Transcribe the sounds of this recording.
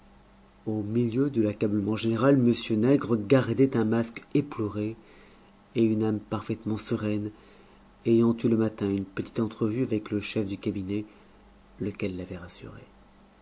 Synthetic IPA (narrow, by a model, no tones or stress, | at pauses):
omiljød̪əlakabləmɑ̃ʒeneʁalməsjønɛɡʁəɡaʁd̪ɛt̪ɛ̃maskeplɔʁe | eynampaʁfɛt̪mɑ̃səʁɛn | ejɑ̃t̪uləmat̪ɛ̃ynpət̪i̥t̪ɑ̃t̪χəvyavɛkləʃɛfd̪ykabinɛ | ləkʲɛlːavɛʁasy̰ʁḛ